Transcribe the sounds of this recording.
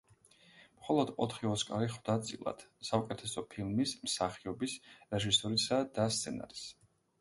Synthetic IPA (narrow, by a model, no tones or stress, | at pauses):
mχɔlˠɔd̪ɔt̪ʰχiɔskʼaɾiχwd̪at̪sʼilˠa̰d̪̥saukʼɛt̪ʰɛsɔpʰilˠmismsaχiɔbisɾɛʒisɔɾisad̪ast̪sʰɛna̰ɾis